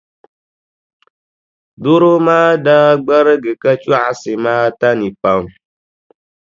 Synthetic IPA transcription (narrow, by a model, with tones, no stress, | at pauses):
do˦ɾo˦maː˦da˦ɡ͡bə˦ɾə˦ɡɨ˨kə˦t͡ʃu˦a˨sɪ˨maː˦ta˦nĩ˨pa˨˦m